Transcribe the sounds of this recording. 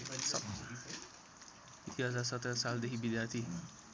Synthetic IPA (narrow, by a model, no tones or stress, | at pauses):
sʌ | it̪iɦad͡zarsʌt̪ɾʌsald̪ekʰibid̪jart̪ʰi